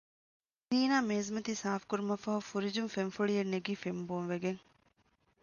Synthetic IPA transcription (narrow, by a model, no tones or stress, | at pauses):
diːnaːmeːzmɐt̪isaːfkuɾumɐfɐɦufuɾid͡ʒumfenfuɭijenːeɡiːfemboːnʋeɡeŋ